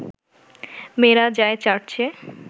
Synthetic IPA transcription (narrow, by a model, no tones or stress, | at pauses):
meɾad͡ʑaet͡ɕaʈ̚t͡ɕʰe